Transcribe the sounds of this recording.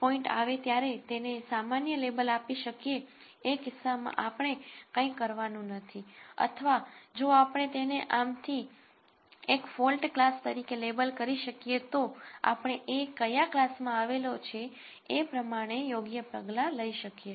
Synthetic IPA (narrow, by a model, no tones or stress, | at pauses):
pɔɪɳʈa̰ʋet̪jaɾet̪enesamanjəlebəlapiʃəkjeː | kɪsːamã̰ʔapəɳ̃ekə̃ĩkəɾʋanũnət̪ʰiə̰t̪ʰəʋad͡ʒoapəɳ̃et̪eneʔamt̪ʰi | ekfolʈklast̪əɾikelebəlkəɾiʃəkjet̪oa̰pəɳ̃eʔekːəjaklasmãaʋelot͡ʃʰe | epɾəmaɽ̃ejoɡjəpəɡlaləiʃəkje